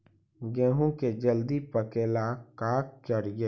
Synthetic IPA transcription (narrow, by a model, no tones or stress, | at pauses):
ɡɛ̃ːɦõked͡ʒəld̪ipəkeːlakaːkt͡ʃɐɾɡe